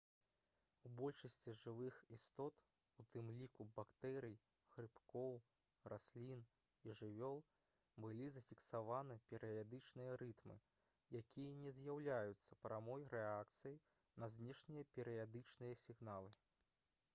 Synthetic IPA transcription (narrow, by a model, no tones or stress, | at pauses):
ubɔlʲʂɐsʲt͡sʲiʐɨvɨxist̪ɔt̪ | ut̪ɨmlʲikubakt̪ɛɾʲij | ɣɾɨpkɔw | rʔasʲlʲin | iʐɨvʲɔlˠ | bɨlʲizɐfʲiksavanɨpʲɛɾɨjad̪ɨt͡ʂnɨjɐɾɨt̪mɨ̰ | jakʲʰijɐnʲɛzʲjawlʲajut̪sːɐpɾamɔjɾɛak̚t̪sɨjɐj | nɐzʲnʲɛʂnʲijɐpʲɛɾɨjad̪ɨt͡ʂnɨjɐsʲiɣn̪alˠɨ